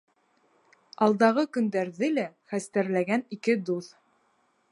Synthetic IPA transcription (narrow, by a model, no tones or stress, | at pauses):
ɑlˠd̪ɑʁɤkɵ̆nd̪æɾðɘlæχæst̪æɾlæɡænikɘd̪uθ